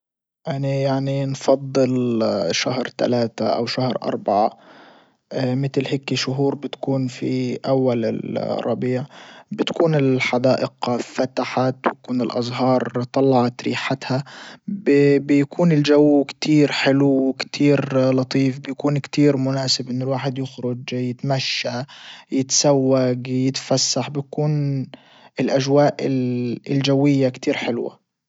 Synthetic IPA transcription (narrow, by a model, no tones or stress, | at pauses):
ʔanajaʕninfɑd̪ˤːɨlʃahɾt̪a̰laːt̪aʔa̰wʃahɾʔɑ̰ɾˤbaʕa̰ | mɪt̪lheːkːiʃʊɦuːɾˤbɪt̪kuːnfiʔawːalɪ̰lrˤːɑbiːʕbɪt̪kuːnɪlħad̪aːʔɪqafat̪aħat̪wjakuːnɪlʔɑ̰zˤɦɑːɾˤt̪ˤːɑlːɑʕɑt̪ɾḭːħat̪habbɪjakʰuːnɪld͡ʒawːkt̪ʰiːɾħɪlukt̪ʰiːɾlɑt̪ˤiːfbɪjakuːnkt̪iːɾmʊnaːsɪbʔɪnːʊlwaːħɪd̪jɪxɾʊd͡ʒjɪt̪maʃːajɪt̪sawːaɡjɪt̪fasːaħbɪjakuːn | ɪlʔaʒwaːʔɪɪld͡ʒawːɪjːakt̪iːɾħɪlwa̰